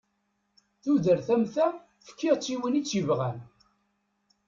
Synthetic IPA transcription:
θuðəɾθæmθæ | fə̥kːiʁt͡sːiwənit͡sːivʁæn

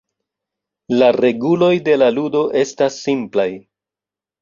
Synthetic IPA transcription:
laɾe̞ɡulo̞jde̞laludo̞ʔe̞stasːimplaj

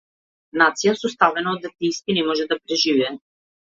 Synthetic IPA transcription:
nat̪sijasɔst̪avɛnaɔd̪at̪ijst̪inɛmɔʒɛd̪apɾɛʒivɛ

